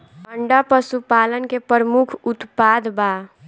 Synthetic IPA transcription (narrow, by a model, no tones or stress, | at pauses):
pəɳɖapəsupaːlənkepəɾəmukʰʊt̪pad̪ba